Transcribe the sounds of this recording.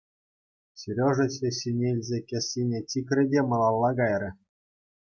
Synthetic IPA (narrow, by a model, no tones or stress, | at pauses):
sʲeɾʲoʐɘ̆ɕeɕʲinʲelʲzʲekʲesʲinʲetʲikʲrʲɘ̆dʲemɤ̆lˠɑlˠːɑɡɑjrʲɘ̆